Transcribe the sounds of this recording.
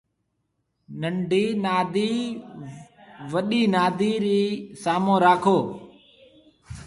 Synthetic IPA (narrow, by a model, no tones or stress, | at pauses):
nəɳɖʱiːnaːd̪iː | ʋəɗiːnaːd̪iːɾiːsaːmõːɾaːkʰoː